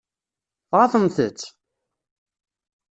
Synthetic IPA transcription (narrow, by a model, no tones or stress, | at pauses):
θʁaθənθət͡sː